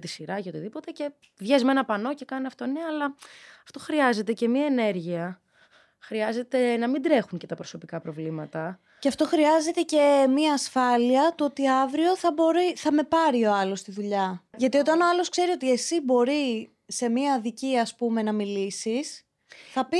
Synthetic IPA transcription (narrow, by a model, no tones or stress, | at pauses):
t̪isiɾɐceo̞t̪iðipo̞t̪e̞ce̞ | vʝezme̞nɐpɐno̞ce̞kɐniɐft̪oneːlɐɐft̪o̞xɾiɐze̞t̪ece̞miɐene̞ɾʝiɐ | xɾiɐze̞t̪e̞nɐmind̪ɾe̞xuŋce̞t̪ɐpɾo̞so̞pikɐpɾo̞vlimɐt̪ɐ | ceɐft̪o̞xɾiɐze̞t̪e̞ce̞miɐːsfɐliɐt̪uo̞t̪iɐvɾio̞θɐbo̞ɾiθɐme̞pɐɾio̞ɐlo̞st̪iðuʎɐʝɐt̪io̞t̪ɐno̞ɐlo̞skse̞ɾio̞t̪ie̞sibo̞ɾi | se̞miɐðiciɐspume̞nɐmilisis | θɐpi